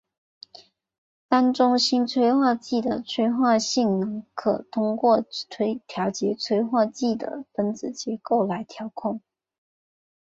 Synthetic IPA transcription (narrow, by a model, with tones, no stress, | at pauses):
t̪a˥nʈ͡ʂʊ˥ŋɕi˥nt͡sʰwe˥ɪxwa˥˧t͡ɕi˥˩d̪ə˩t͡sʰwe˥ɪxwa˥˧ɕi˥˩ŋnɤ˧˥ŋkʰɤ˨˩t̪ʰʊ˥ŋkwɔ˥˩t͡sʰwe˥ɪt̪ʰjɑ˧˥ʊt͡ɕjɛ˧˥t͡sʰwe˥ɪxwa˥˧t͡ɕi˥˩d̪ə̰˩pə˥nt͡sɹ̩˨˩t͡ɕjɛ˧˥ko˥˩ʊla˧˥ɪt̪ʰjɑ˧˥ʊkʰʊ˥˩ŋ